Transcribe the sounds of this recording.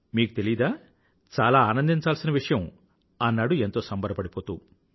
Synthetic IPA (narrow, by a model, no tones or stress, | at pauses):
miːku̥t̪e̞lijɐd̪aː | t͡ʃaːlaːaːnɐnd̪iɲt͡ʃaːlsinɐʋiʂɐjɐm | ɐnːaːɽue̞nt̪oːsɐmbɐɾɐpɐɽipo̞ːt̪u